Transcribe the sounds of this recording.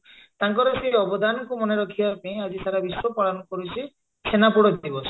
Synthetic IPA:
t̪aŋkɔɾɔseɔbɔd̪anɔkumɔneɾɔkʰibapaĩad͡ʒisaɾabisɔpɔɽanɔkɔɾut͡ʃʰi | sʰenapuɽɔd̪ibɔsʰɔ̥

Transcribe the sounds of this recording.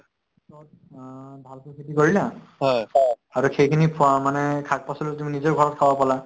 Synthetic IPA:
sɔ | bʱalkukʰitikoɹila | ɦɔjaɹuxejkʰinipʰʊamanɛkʰak̚pasɔlut̬uminizɔɹɡʱɔɹɔt̚kʰawapala

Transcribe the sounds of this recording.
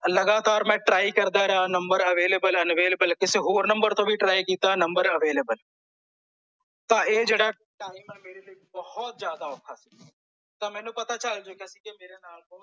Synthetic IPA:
ləɡaːt̪aːɾmɛ̃ːʈɾaːikəɾd̪aːɾəɦaːnəmbəɾəʋeːleːbələnʋeːləbəlkɪseːɦoːɾnəmbəɾt̪õːʋiːʈɾaːikiːt̪aːnəmbəɾəʋeːleːbəl | t̪ãːeːd͡ʒeːɽaː | ʈaːimənmeːɾeliːibəhɔt̪zjaːd̪aːɔkʰːaːsi̥ː | t̪ãːmɛ̃ːnũːpət̪aːt͡ʃəld͡ʒoːkasiːkemeːɾeːnaːlpõː

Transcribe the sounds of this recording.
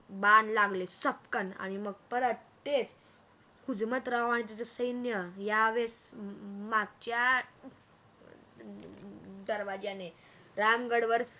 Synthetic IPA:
banlaɡlesəp̚kəna̰ɽ̃iməɡ̚pəɾət̪et͡s | hud͡zmət̪ɾaʋaɽit̪̬at͡səsəjnjəjaʋes | maɡt͡ɕja | d̪əɾʋad͡ʑjane | ɾamɡəɽʋəɾ

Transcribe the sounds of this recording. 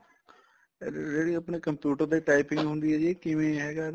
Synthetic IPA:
d͡ʒeːɽiːəpneːkəmpjuːʈəɾd̪eːʈaːɪpɪ̃ŋɡɦʊ̃nd̪iɦɛːd͡ʒeːkɪʋẽɦɛːɡaːɾ

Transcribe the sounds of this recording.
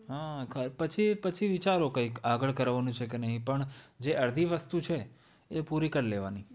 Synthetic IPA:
ɦakʰaɾpət͡ʃʰipət͡ʃʰiʋit͡ʃaɾokə̃ikaɡəɭkəɾʋanũt͡ʃʰekenəɦĩpəɳd͡ʒeʔəɾd̪ʱiʋəst̪ut͡ʃʰe | epuɾikəɾleʋa̰ni

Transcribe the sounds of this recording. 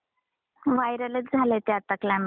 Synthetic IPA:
ʋajɾələt͡sd͡zʱalet̪jat̪əklãm

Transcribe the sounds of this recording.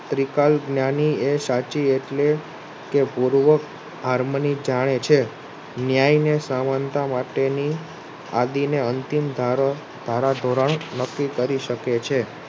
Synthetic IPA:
t̪ɾikalɡnjaniesat͡ʃieʈle | kepuɾʋək | ɦaɾmənid͡ʒaɽ̃et͡ʃʰe | njajnesamant̪amaʈeni | ad̪ineənt̪imd̪ʱa | d̪̥ʱaɾad̪ʱoɾəɳnəkːikəɾiʃəket͡ʃʰe

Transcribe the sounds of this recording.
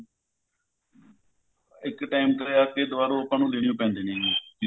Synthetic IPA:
ɪkʈaːimkəɾeːaːkeːd̪ʊʋaːɾõːəpãːnũːleːɳɪjõːpɛ̃ːnd̪eːnẽː

